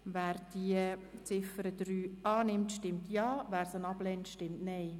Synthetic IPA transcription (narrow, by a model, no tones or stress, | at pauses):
væːɾd̥iət͡sɪfəɾəd̥̪ɾyːɑːnɪmtʃtɪmtʰjɑːʋæːɾsənɑb̥lɛntʃtɪmtnɛɪ